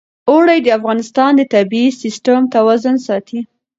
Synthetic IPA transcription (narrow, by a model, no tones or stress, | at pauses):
oɽajd̪əafɣɑnɪst̪ɑnd̪ət̪abiisɪsʈəmt̪awazʊnsɑt̪ʰi